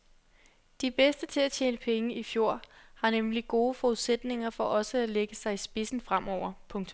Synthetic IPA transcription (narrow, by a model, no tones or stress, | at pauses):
d̥ib̥esd̥ət͡sʰe̝læt͡ɕʰeːnəpʰeŋəifjo̝ɐ̰hɑ̈nemliɡ̥o̝ːfɒ̽uðˠsed̥ne̝ŋɐfɒ̽ʔɒ̽səæleɡ̥əsɑ̈ɪisb̥e̝sn̩fʁam̰ʔɒʊ̰ɐpʰɔ̽ŋt͡sʰ